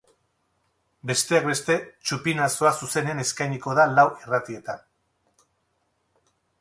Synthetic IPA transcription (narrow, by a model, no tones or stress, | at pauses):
be̞st̪e̞ak̚be̞st̪e̞t͡ʃupinaso̞asuse̞nene̞skajɲiko̞ðalawirat̪ie̞t̪an